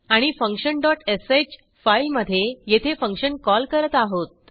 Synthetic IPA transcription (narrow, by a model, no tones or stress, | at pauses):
aɽ̃ifəŋkʂənɖɔʈeset͡ɕ | failməd̪ʱːjejet̪ʰefəŋkɕənkɔlkəɾət̪aɦot̪̚